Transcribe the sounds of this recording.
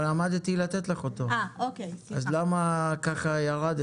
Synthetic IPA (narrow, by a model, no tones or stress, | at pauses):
lamad̪t̪ilat̪et̪leχot̪o̞oazlamakaχajaʁad̪